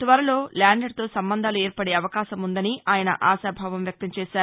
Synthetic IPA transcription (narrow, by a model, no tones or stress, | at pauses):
t̪ʋɐɾɐlo̞ːlaːɳɖeɖ̚t̪o̞ːsɐmbɐnd̪ʱaːlueːɾpɐɽeːɐʋɐkaːʃɐmund̪ɐniaːjɐnɐ̰ʔaːʃaːbʱaːʋɐmjɐk̚t̪ɐmt͡ʃɛːʃaːɾu